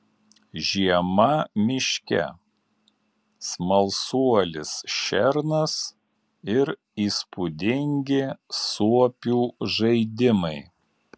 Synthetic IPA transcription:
ʒʲiɛmɐmʲɪʃʲkʲɛ̰ | smɐlˠsuɔlʲɪsʃʲɛɾnɐs | ɪɾ | iːspʊd̪ʲɪŋʲɡʲɪsuɔpʲuːʒɐɪd̪ʲɪmɐɪ

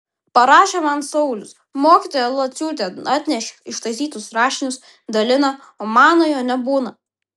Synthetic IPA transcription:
pɐɾɑːʃʲemɐnsɒʊlʲʊs | moːkʲit̪oɔːjɛlˠɐt̪ʲsʲuːt̪ʲeɑːt̪ʲnʲɛʃʲɪʃt̪ɐɪsʲiːt̪ʊsɾɑːʃʲɪnʲʊs | d̪ɐlʲɪnɐ | oːmɑːnoːjoːnʲɛbuːnɐ

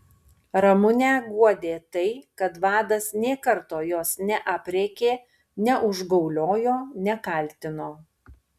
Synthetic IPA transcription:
ɾɐmʊnʲæːɡuɔd̪ʲeːt̪ɐɪkɐt̪ʋɑːd̪ɐsnʲeːkɐɾt̪oːjoːsnʲɛʔɐpʲɾʲɛkʲeː | nʲɛʔʊʒɡɒʊlʲoːjoːnʲɛkɐˑlʲt̪ʲɪnoː

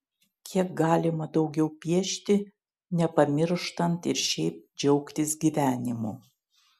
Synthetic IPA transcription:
kʲʰiɛk̚ɡɑːlʲɪmɐd̪ɒʊɡʲɛʊpʲiɛʃʲt̪ʲɪ | nʲɛpɐmʲɪɾʃt̪ɐnt̪ɪɾʃʲɛɪp̚d͡ʒʲɛʊkt̪ʲɪsɡʲiʋʲæːnʲɪmu

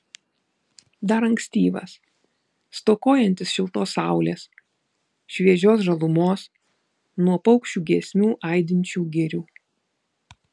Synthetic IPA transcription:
d̪ɐɾɐŋksʲt̪ʲiːʋɐ̰s | st̪oːkoːjɛnʲt̪ʲɪsʃʲɪlˠt̪oːsɑˑʊlʲeːs | ʃʲʋʲiɛʒʲoːsʒɐlˠʊmoːs | nuɔpɔʊkʃʲt͡ʃʲuːɡʲiɛsʲmʲuːʔɐˑɪd̪ʲɪnʲt͡ʃʲuːɡʲɪɾʲuː

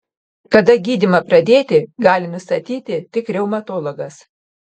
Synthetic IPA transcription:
kɐd̪ɐɡʲiːd̪ʲɪmɐpɾɐd̪ʲeːt̪ʲɪɡɑːlʲɪnʊst̪ɐt̪ʲiːt̪ʲɪt̪ʲɪkɾʲɛʊmɐt̪oːlˠoɡɐs

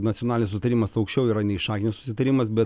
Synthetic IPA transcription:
nɐt̪ʲonɑlʲnʲs̬ʊsʲɪt̪ɐɾʲimɐsɐʊkʃʲt͡ʃʲɛʊiːɾɐnʲɛɪʃɑːkʲɪnʲɪssʊ̥sʲɪt̪ɐɾʲimɐsbʲɛt

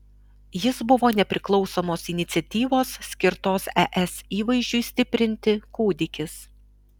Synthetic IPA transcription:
jɪsbʊʋoːnʲɛpʲɾʲɪklˠɒʊsoːmoːsɪnʲɪt̪sʲɛt̪ʲiːʋoːssʲkʲɪɾt̪oːsɛʔɛsiːʋɐɪʒʲd͡ʒʲʊɪsʲt̪ʲɪpʲɾʲɪnʲt̪ʲɪkuːd̪ʲɪkʲɪs

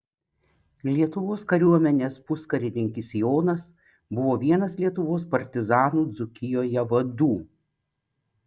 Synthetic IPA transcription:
lʲiɛt̪ʊʋoːskɐɾʲuɔmʲɛnʲeːspʊskɐɾʲɪnʲɪŋʲkʲɪsjoːnɐs | bʊʋoːʋʲiɛnɐslʲiɛt̪ʊʋoːspɐɾʲt̪ʲɪzɑːnuːd̪zʊkʲɪjoːjɛʋɐd̪uː

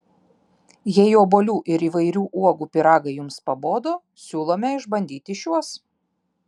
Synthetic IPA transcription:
jɛjoːboːlʲuːʔɪɾiːˑʋɐɪɾʲuːʔuɔɡuːpʲɪɾɑːɡɐɪjʊmspɐboːd̪oː | sʲuːlˠoːmʲɛɪʒbɐnʲd̪ʲiːt̪ʲɪʃʲjuɔs

